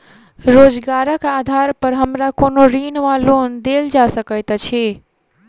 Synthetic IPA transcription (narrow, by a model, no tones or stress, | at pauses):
ɾoːd͡ʒɡaːɾəkaːd̪ʱaːɾpəɾɦəmɾakoːnoɾiːnʋaloːnd̪eːld͡ʒaːsəkəjt̪t͡ʃʰeː